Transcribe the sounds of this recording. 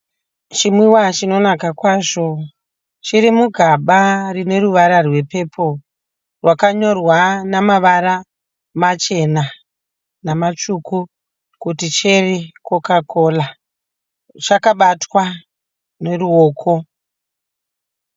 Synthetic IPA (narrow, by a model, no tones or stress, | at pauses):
t͡ʃimwiwat͡ʃino̞nakakwaːʐo̞ | t͡ʃiɾimuɡʱaɓarine̞ɾuʋaɾarwe̞pe̞pʰo̞ | rwakaɲo̞rwanamaʋaɾa | mat͡ʃe̞na | namat͡ʃuku | kutit͡ʃerikokako̞ːla | t͡ʃakaɓatwa | ne̞ruoːkʰo̞